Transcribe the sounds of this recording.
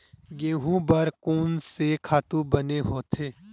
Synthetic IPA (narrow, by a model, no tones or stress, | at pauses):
ɡẽːɦũbəɾkuːnsekʰaːt̪ũbəneɦoːt̪ʰeː